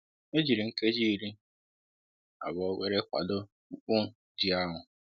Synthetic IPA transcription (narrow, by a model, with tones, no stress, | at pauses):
e˦d͡ʒi˨ɾi˨ŋ̩˦ke˦d͡ʒi˦˨ɾi˦ | a̰˨βɔ˨˦wʷe˦ɾe˦kʷa̰˨dʊ˦ | k͡pʊ˦˨ | d͡ʒi˨a˦ɦʊ˨